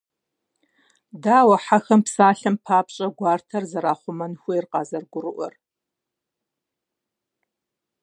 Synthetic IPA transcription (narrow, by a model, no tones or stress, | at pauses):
daːwɐħaxɐmpsaːɬɐmpʰaːpɕʼɐɡʷɑːrtʰɐrzɐɾaːχʷʊmɐnxʷejrqɑːzɐrɡʷʊrɨʔʷɔ̰r